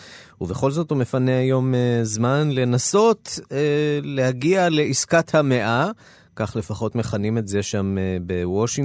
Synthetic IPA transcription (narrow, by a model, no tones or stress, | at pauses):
uve̞χo̞lzo̞thume̞faneajo̞mezmanle̞naso̞tele̞haɡiale̞ʔiskathame̞ʔa | kaχle̞faχo̞tme̞χanimetze̞ʃamebewoʃiŋ